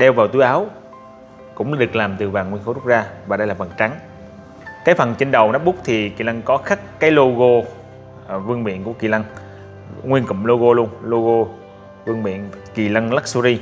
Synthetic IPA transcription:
ɗɛ˧wvaː˨˩wt̪u˨˧˦jʔaː˨˦w | kʊ̰˧˥ŋ͡mɗɨ˨˩k̚laː˨˩mt̪ɨ˨˩vaː˨˩ŋwnxo˧˦zʊ˦˥k͡p̚zaː˧vaː˨˩ɗə˧jlaː˨˩və˨˩nt͡ɕa˨˦ŋ | kaː˨˦jfə˨˩nt͡ɕe˧nɗə˨˩wnɔ˨˦˥p̚ɓʊ˦˥k͡p̚t̪ʰi˨˩ki˨˩la˧ŋkɔ˨˦xa˦˥kːaː˨˦jlo˧ɣo˧ | vɨ˧əŋɓḭ˧˨ənku˧˩əki˨˩la˧ŋ | ŋwi˧ənkʊ̰˧˨ŋ͡mlo˧ɣo˧lu˧əŋlo˧ɣo˧ | vɨ˧əŋɓḭ˧˨ənki˨˩la˧ŋla˦˥k̚su˧zi˧

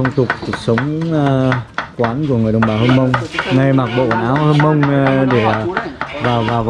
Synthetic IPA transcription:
ə˧wŋ͡mt͡ɕʊ˨˩k͡p̚ku˨˩ək̚sə˨˦wŋ͡m | kwaː˨˦nku˧˩əŋɨ˨˩əjɗə˨˩wŋ͡mɓaː˨˩hə˧nmə˧wŋ͡mŋa˧jma˨˩k̚ɓo̰˧˨kwaː˨˩nʔaː˨˦whə˧nmə˧wŋ͡mɗe˧˩ | vaː˨˩wvaː˨˩w

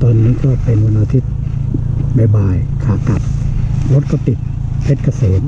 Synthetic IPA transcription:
t̪ɔː˧nːiː˦˥kɔː˥˩pe˧no˧naː˧t̪ʰi˦˥t̪̚ | ma˧˩baː˧jkʰaː˨˩k̪a˨˩p̚lo˦˥t̪̚kʰɔ˧˩p̪i˨˩t̪̚pʰe˦˥t̪̚ka˧seː˩˦n̚

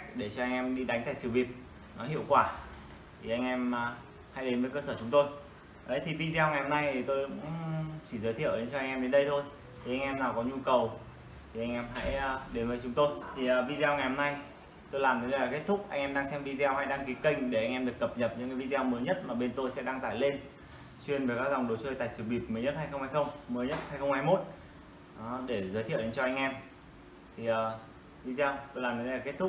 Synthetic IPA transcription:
k̚ɗe˧˩t͡ɕɔ˧ʔa˧jŋʔɛ˧mɗi˧ɗa˨˦ŋ̟t̪aː˧˩jsi˨˩wvi˨˩əp̚ | nɔ˨˦ɦḭ˧˨əwkwaː˧˩ | t̪ʰi˨˩ʔa˧jŋ̟ʔɛ˧mː˨˩ | ha̰˧˥jɗe˨˦nvəː˨˦jkəː˧səː˧˩t͡ɕʊ˨˦ŋ͡mt̪o˧j | ʔə˨˦jt̪ʰi˨˩vi˧zɛ˧wŋa˨˩jhɔ˧mna˧jt̪ʰi˨˩t̪o˧jkʊʊ̰˧˥ŋ͡mt͡ɕi˧˩zəː˨˦jt̪ʰḭ˧˨əwɗe˨˦nt͡ɕɔ˧a˧ŋʔɛ˧mɗe˨˦nɗə˧jt̪ʰo˧j | t̪ʰi˨˩ʔa˧ŋ̟ʔɛ˧mnaː˨˩wkɔ˨˦ɲu˧kə˨˩w | t̪i˨˩ʔa˧jŋ̟ʔɛ˧mɦa̰˧˥jɗe˨˦nvəː˨˦jt͡ɕʊ˨˦ŋ͡mt̪o˧jt̪ʰi˨˩əː˨˩vi˧zɛ˧wŋa˨˩jhɔ˧mna˧j | t̪o˧jlaː˨˩mnə˨˩t̪ə˨˦jaː˨˩ke˦˥t̚t̪ʰʊ˦˥k͡p̚ʔa˧jŋʔɛ˧mɗaː˧ŋsɛ˧mvi˧zɛ˧wha˧jɗaː˧ŋki˨˦kə˧jŋ̟ɗe˧˩ʔa˧jŋʔɛ˧mɗɨ˨˩əkːə˨˩p̚ɲə˨˩p̚ɲɨ̰˧˥ŋkːaː˨˦vi˧zɛ˧wməː˨˦jɲə˦˥t̚maː˨˩ɓe˧nt̪o˧jsɛ̰˧˥ɗaː˧ŋt̪aː˧˩jle˧n | t͡ɕwi˧ənveː˨˩kaː˦˥k̚za˨˩wŋ͡mɗo˨˦t͡ɕəː˧˩jt̪a̰ː˧˨jsɨ˧˩ɓi˨˩ət̚mə˨˦jɲə˦˥t̚ha˧jxə˧ŋ͡mha˧jxə˧wŋ͡mməː˨˦jɲə˦˥t̚haː˧jxə˧wŋ͡mhaː˧jmo˦˥t̚ | ʔɗe˧˩zəː˨˦jt̪ʰi˧˨wɗe˨˦t͡ɕɔ˧ʔa˧jŋ̟ʔɛ˧m | t̪ʰi˨˩ʔəː˨˩ | vi˧zɛ˧wt̪o˧jlaː˨˩mnʰ˨˧˩lːa˨˩ke˦˥t̚t̪ʰʊ˦˥k̚

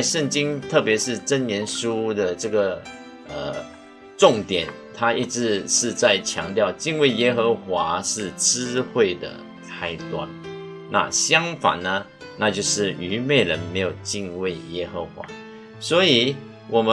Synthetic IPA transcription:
ɪʂə˥˩ŋt͡ɕi˥ŋt̪ʰɤ˥˩pjɛ˧˥ʂɻ̩˥˩ʈ͡ʂə˥njjɛ˧˥nʂu˥d̪ə˨ʈ͡ʂɤ˥˩ɡə˩ | ə̰˨˩ | ʈ͡ʂʊ˥˩ŋt̪jɛ˨˩n | t̪ʰa˥i˥˩ʈ͡ʂɻ̩˧˥ʂɻ̩˥˧t͡sa˥˩ɪt͡ɕʰjɑ̰˧˥ŋt̪jɑ˥˩ʊt͡ɕi˥˧nwe˥˩ɪjɛ˥xə˧˥xwa˧˥˦ʂɻ̩˥˩ʈ͡ʂɻ̩˥xwe˥˩ɪd̪ə̰˩ | kʰa˥ɪt̪wa̰˥˩n | na̰˥˨ɕjɑ˥ŋfa̰˨˩nnə˧ | na˥˧t͡ɕjo˥˧ʊʂɻ̩˥˩y˧˥me˥˩ɪɻə˧˥nme˧˥ɪjo˨˩ʊt͡ɕi˥˧nwe˥˩ɪjɛ˥xə˧˦xwa̰˧˥˦ | swɔ˧˥i˨˩˦ | wʔɔ˨˩mə˦

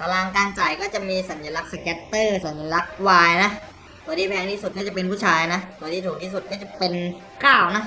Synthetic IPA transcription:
t̪ʰa˧laː˧ŋkaː˧nt͡ɕa˨˩jkɔː˥˩t͡ɕa˨˩miː˧sa˩˦nja˧la˦˥k̚sa˧kɛː˦˥t̪ːɤː˥˩sa˩˦nja˧˩la˦˥k̚waː˧jna˦˥ʔ | tʰu˧˥˩diː˧pʰɛː˧ŋt̪ʰiː˥˩su˨˩t̪̚kɔː˥˩t͡ɕa˨˩pe˧npʰuː˥˩t͡ɕʰaː˧jna˦˥ʔsu˧˩˦t̪ʰiː˧t̪ʰuː˨˩kt̪ʰiː˥˩su˨˩t̪̚kɔː˥˩t͡ɕa˨˩pe˧n | kaː˥˩wna˦˥ʔ

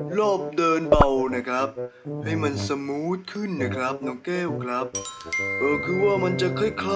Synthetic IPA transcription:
lɔː˥˩p̚dɤː˧nba˧wna˦˥˩kʰɾa˦˥p̚ha˥˩jma˧nsa˧muː˦˥t̪̚kʰɯ˥˩nːa˦˥˩kʰɾa˦˥p̚nɔ˧˥ŋkeː˥˩wkʰɾa˦˥p̚ʔɤː˧˩kʰɯː˧waː˥˩ma˧nt͡ɕa˨kʰaː˥˩jkʰa˥

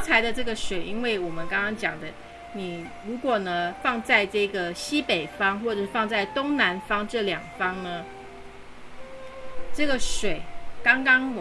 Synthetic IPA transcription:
t͡sʰa˧˥ɪd̪ə˧ʈ͡ʂɤ˥˩ɡə˨ʂwe˨˩ɪʔi˥nwe˥˩ɪwɔ˨˩mə˦nkɑ˥ŋkɑ˥ŋt͡ɕjɑ̰˨˩ŋd̪ə˦ | ni˨˩ | ɻu˧˥kwɔ˨˩nə˦fɑ˥˧ŋt͡sa˥˧ɪʈ͡ʂɤ˥˩i˧ɡə˩ɕi˦˥pe˨˩ɪfɑ˥ŋxwɔ˥˩ʈ͡ʂfɑ˥˧ŋt͡sa˥˩ɪt̪ʊ˥ŋna˧˦˥nfɑ˥ŋʈ͡ʂɤ˥˩ljɑ˨˩ŋfɑ˥ŋnə˧ | ʈ͡ʂɤ˥˩ɡə˩ʂwe˨˩ɪkɑ˥ŋkɑ˥ŋ

